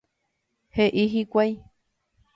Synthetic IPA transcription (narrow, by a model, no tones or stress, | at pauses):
heʔiɦikʷaj